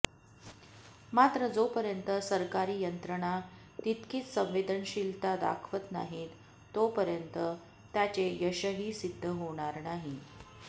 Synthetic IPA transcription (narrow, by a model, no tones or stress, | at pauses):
mat̪ɾəd͡zopəɾjənt̪əsəɾkaɾiːjənt̪ɾəɽ̃a | t̪it̪kʰiːt͡ssə̃ʋ̃ʋed̪ʱəɳɕilt̪ad̪a̰kʰʋət̪na̰ɦiːt̪ː | opəɾjənt̪ə | t̪jat͡ɕejəɕəɦiːsid̪ʱːəɦoɽ̃aɾnaɦi